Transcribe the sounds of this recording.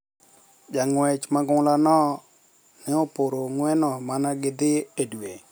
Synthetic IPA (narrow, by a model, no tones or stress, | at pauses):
d͡ʒaŋwɛt͡ʃmaɡʊŋlanɔ | nɪopoɾoŋwɛnɔmanaɡɪd̪ɪedwe